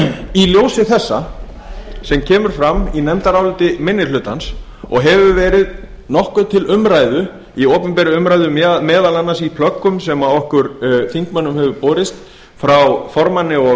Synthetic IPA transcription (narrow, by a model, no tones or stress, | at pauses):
iljoːwsɪθɛsːa̰ | sɛmcʰɛːmʏɾ̥fɾamːinɛmt̪aɾawlʏt̪ɪmɪnːɪlʏːt̪ans | ɔ̰ɣɦɛvʏvɛːɾɪð | nɔhkʏt̪ʰɪlʏmɾaːjðʏ | iowpʏmpɛːɾʏʏmɾajðʏmmɛːðalanːasipʰlœkːʏmsɛmaɔhkʏɾθiŋkmanːʏmhɛvʏpoːɾɪst̪ | fɾawfɔɾmanːɪɔ